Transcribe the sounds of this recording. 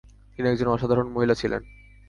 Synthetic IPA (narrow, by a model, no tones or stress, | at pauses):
t̪iniɛkd͡ʑonɔʃad̪ʱaɾonmoɦilat͡ɕʰilḛn